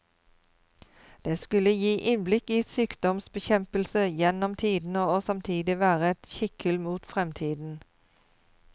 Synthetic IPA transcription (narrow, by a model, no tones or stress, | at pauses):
d̪̥eːskʉləjiːʔɪnblɪkiːsyːkd̪ɔmsbəçɛmpəlsəjɛnɔmt̪ʰiːd̪n̩ooːsɑmt̪ʰiːd̪ɪʋæːʁəɛt̪çɪkʰəlmuːt̪fʁɛmt̪ʰiːd̪n̩